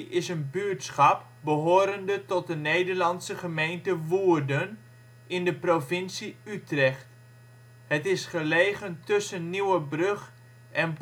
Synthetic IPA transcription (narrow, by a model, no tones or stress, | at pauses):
ɪsənbyətsχɑp̚ | bəɦoːɾəndətɔt̚dəneːdəɹlɑnsəχəmejntəʋuərdən | ɪndəprovɪnsiytrɛχt | hətɪsχəleːχəntøsənːiwəbrøχ | ɛn